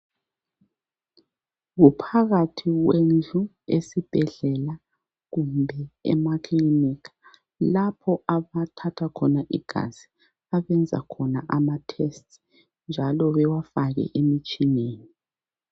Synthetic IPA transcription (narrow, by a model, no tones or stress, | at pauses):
ɣupʰaɣatʰiɣwend͡ɮʱu | ḛsib̥ʱɛɮɛla | ɣumbʱɛɛ̰makʰlinikḁ | lapʰɔaβatʰatʰakʰɔnaʔiɡ̥ʱa̰zi̥ | aβɛnd͡zʱa̰kʰɔna̰ʔamatʰɛst | nd͡ʒʱalɔβɛwafaɣɛ̰ʔemit͡ʃʼineːni